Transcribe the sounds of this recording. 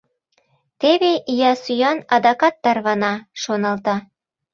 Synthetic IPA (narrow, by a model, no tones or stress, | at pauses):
t̪eβeʔijɑsyjɑnɑd̪ɑkɑt̪ːɑrβɑnɑʃonɑlt̪ɑ